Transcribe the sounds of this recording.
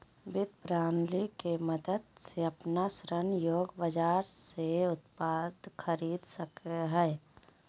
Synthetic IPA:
bɪt̪̚pɾaːnlikeməd̪əd̪seɐpnasɾənjoːɡbəd͡ʒaːɾseʊt̪̚paːd̪kʰəɾiːd̪səkeɦɛː

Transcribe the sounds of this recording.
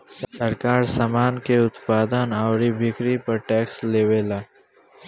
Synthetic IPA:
ssɐɾkaːɾsamaːnkeʊt̪paːd̪ənaːʊɾibɪkɾipɐɾʈɛːksleːwelaː

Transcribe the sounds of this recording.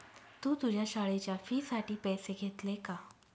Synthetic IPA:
t̪ũːt̪ud͡ʑʱjaɕaɭet͡ɕjafiːsaʈiːpɛseɡʱet̪leka

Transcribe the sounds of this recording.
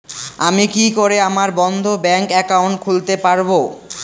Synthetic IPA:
amikikoɾeamaɾbɔnd̪ʱobɛŋkɛkawɳʈ̚kʰult̪epaɾbo

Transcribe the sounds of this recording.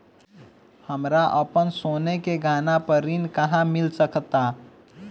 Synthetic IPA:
həmɾaʔəpənsoːnekeɡʱaːnapəɾinkəɦãmɪlsəkt̪a

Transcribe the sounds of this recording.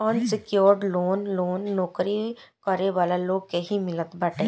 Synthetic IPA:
ɔːnsɪkjoːɾɖloːnloːnːɔːkɾikəɾeʋaːlaloːɡkeɦimɪlət̪baːʈeː

